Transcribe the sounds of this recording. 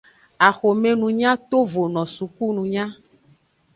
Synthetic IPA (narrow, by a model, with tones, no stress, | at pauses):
a˨xo˨mẽ˨nũ˨ɲã˦t̪o˦vo˨nɔ̃˨su˨ku˦nũ˨ɲã˦